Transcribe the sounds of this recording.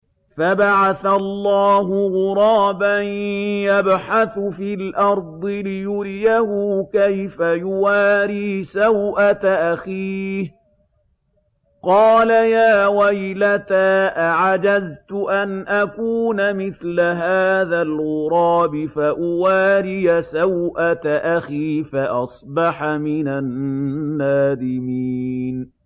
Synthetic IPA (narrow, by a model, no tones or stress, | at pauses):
fabaʕaθalˤːɑːɦʊɣʊɾˤɑːbanjabħaθʊfiːlʔɑɾˤd̪ˤɨlɪjʊɾɪjahʊkajfajʊwaːɾiːsawʔat̪aʔaxiːh | qɑːlajaːwajlat̪aːʔaʕad͡ʒazt̪ʊʔanʔakuːnamɪθlaɦaːðalɣʊɾˤɑːbɪfaʔʊwaːɾɪjasawʔat̪aʔaxiːfaʔɑsˤbɑħamɪnanː | aːðɪmiːn